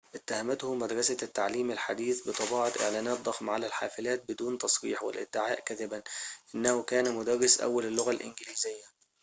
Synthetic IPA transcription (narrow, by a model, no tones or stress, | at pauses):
ʔɪt̪ːahæmæt̪hʊmæd̪ɾˤɑsat̪ːaʕliːmɪlħad̪iːθbɨt̪ˤɑbiːʕɑt̪ʔɪ̰ʕlæːnæːt̪̚d̪ˤɑxmʕalælħa̰ːfɪlæːt̪̚bɪd̪uːnt̪ɑsˤɾḭːħwɪ̰lʔɪ̰d̪ːɪʕaːʔkæðɪbænʔɪnːæhʊkæːnæmʊd̪ɑrˤːɪsʔæ̰wːælɪlːʊɣælʔɪ̰nɡɪliːzɪjːæ